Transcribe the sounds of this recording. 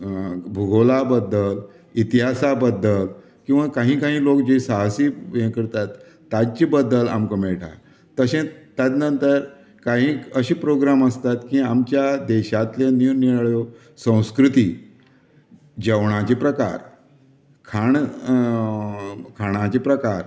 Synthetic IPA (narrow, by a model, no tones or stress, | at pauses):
bʱuɡʱolabəd̪ːəl | it̪iɦasabəd̪ːəl | kĩw̃ʋakaɦĩːkaɦĩːlokd͡ʑesaɦsijẽkəɾt̪at̪ː | ad͡ʑt͡ɕibəd̪ːəla̰mkəmeɭʈʰa̰ | t̪əɕẽt̪jad̪nənt̪əɾ | kaɦĩːəɕiːpɾoɡɾaməst̪at̪kiamt͡ɕjad̪ɛɕat̪lenuniɭɭjo | sə̃w̃skɾut̪i | d͡ʑəwɳ̃ãt͡ɕepɾəka̰ɾ | kʰaɳ | kʰaɽ̃ãt͡ɕepɾəkaɾ